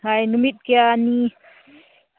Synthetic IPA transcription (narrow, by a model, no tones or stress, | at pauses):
ɦajnumit̪̚kejani